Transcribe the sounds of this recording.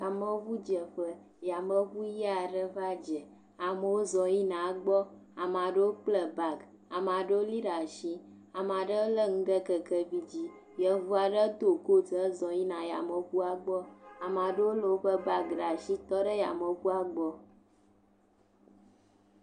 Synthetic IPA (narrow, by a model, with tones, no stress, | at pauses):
a˨mə˦βu˦d͡ʒə˨ɸə˦ | ja˨mə˦ɣu˦ji˦a˨ɖə˦ɸa˦d͡ʒə˨ | a˨mə˨wo˦zɔ˨ji˦nã˨˦ɡ͡bɔ˦a˨mã˨ɖə˦wo˦k͡plə˨ba˨ɡ | a˨m˨ã˨ɖə˦wo˦li˦ɖa˨ʃi˦ | a˨m˨a˨ɖə˦o˦lə˦ŋũ˦ɖə˦kə˨kə˦vi˦d͡ʑi˦ | jə˨vu˦a˨ɖə˦t̪o˨ko˦d͡zə˦zɔ˨ji˦nã˨ja̰˨mə˨ku˦a˦ɡ͡bɔ˦a˨mã˨ɖə˦wo˦lə˨wo˦ɸə˦ba˦ɡɖa˨ʃi˦t̪ɔ˦ɖə˦ja̰˨mə˨ku˦a˦ɡ͡bɔ˦